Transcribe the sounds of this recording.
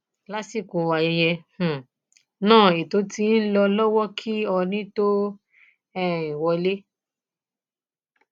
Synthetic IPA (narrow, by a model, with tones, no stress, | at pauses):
la˨˦si˦˨ko˨wa˨jɛ˧jɛ˧h̩˨ | nãː˦˨e˨to˨˦ti˧˦n̩˦lɔ˧lɔ˦wɔ˦kʰi˦ɔ˧nĩ˦to˦ | ɛ˦˨ĩ˨wɔ˧le˦